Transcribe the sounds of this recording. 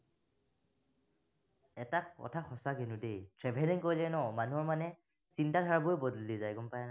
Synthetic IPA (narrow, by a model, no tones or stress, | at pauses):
ɛtakɔ̰tʰaxɔsaɡinʊdejtʰɹɛbʱɛlɛnkoɹjlɛnɔmanuɦɔɹmanɛ | sintatʰaɹabojbɔdlːizajɡɔmpajɛna